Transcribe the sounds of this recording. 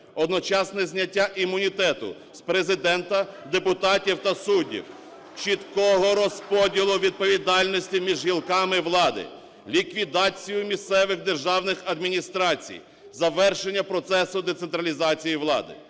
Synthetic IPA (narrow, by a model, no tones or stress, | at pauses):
ɔd̪nɔt͡ʃɑsnɛzʲnʲɐtʲːaʔimʊnʲit̪ɛt̪ʊ̰ | spɾezɪd̪ɛnt̪ɐd̪epʊt̪ɑtʲiwt̪ɐsudʲḭw | t͡ʃit̪kɔɦɔɾɔspɔdʲilˠʊʋʲid̪̚pɔʋʲid̪ɑlʲnɔsʲtʲimʲiʒɦilˠkɑmɪʋlˠɑd̪ɪ̰ | lʲikʋʲid̪ɑt͡sʲijʊmʲist̪sɛʋɪɣd̪erʒɑwnɪxɐd̪mʲinʲist̪ɾɑt͡sʲḭj | zɐʋɛrʃenʲːɐpɾɔt̪sɛsʊd̪et̪sent̪ɾɐlʲizɑt͡sʲijiʋlˠɑ̰d̪ɪ̰